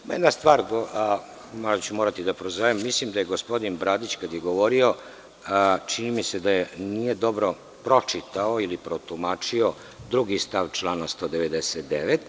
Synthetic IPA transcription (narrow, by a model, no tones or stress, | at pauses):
majed̪nast̪ʋaːɾɡo | moɾat͡ɕumoɾat̪id̪apɾozojemːislimd̪aje̞ɡospod̪inbɾaːd̪it͡ɕkad̪jeɡoʋo̞ɾio̞ | t͡ʂinimise̞d̪ajenije̞d̪o̞bɾo̞ | pɾo̞t͡ʂit̪aoilipɾot̪umaːt͡ʂio̞ | d̪ɾuɡist̪aʋt͡ʃlˠaːnast̪o̞ːd̪eʋed̪eset̪d̪ḛʋet̪